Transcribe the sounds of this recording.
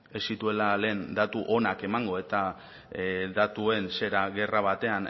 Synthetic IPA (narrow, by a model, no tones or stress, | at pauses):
e̞sit̪ue̞lale̞ːnd̪at̪uʔo̞nake̞maŋɡo̞e̞t̪a | d̪at̪ue̞nse̞ɾaɣe̞raβ̞at̪e̞an